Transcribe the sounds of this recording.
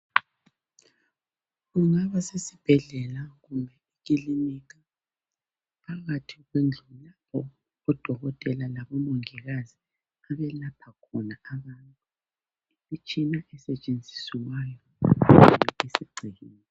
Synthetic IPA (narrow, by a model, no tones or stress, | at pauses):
ɣuŋaβasesib̥ʱɛɮɛlaɣumbʱɛik̬iliniɣ̬a | pʰaɣatʰiɣwend͡ɮʱulapʰɔ | ɔd̥ʱɔɣɔtʼɛlalaβɔmoŋiɣazi | aβɛlapʰakʰɔnaaβantʼu | it͡ʃʰʼinaʔɛsɛt͡ʃʼend͡zʱi̥siwwajɔ | ɛesiɡ͡ǀʱiɣiːnɛ